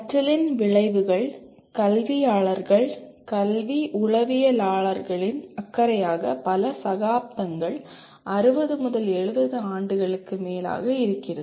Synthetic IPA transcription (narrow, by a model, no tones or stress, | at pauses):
ɐʈrɐlɪnʋɪɻɐɪʋɯɣɐɭ | kɐlʋijaːɭɐɾɣɐɭ | kɐlʋiʔʊɻɐʋɪjɐlaːɭɐɾɣɐɭɪnɐkːɐɾɐjaːɣɐpɐlɐsɐɣaːp̚t̪ɐŋɡɐɭ | ʔɐɾɯbɐðɯmʊðɐlɛɻɯʋɐðɯaːɳɖɯɣɐɭɯkːɯmeːla̰ːɣɐɪɾɯkːɪrɐð